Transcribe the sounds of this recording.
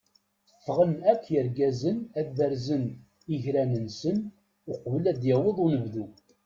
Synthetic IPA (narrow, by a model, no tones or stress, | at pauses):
θə̥fːʁənækːjəɾɡæzənæðæɾzən | iʝɾænənsən | ʊqvlæd̪jæwəðˤʊnəvðu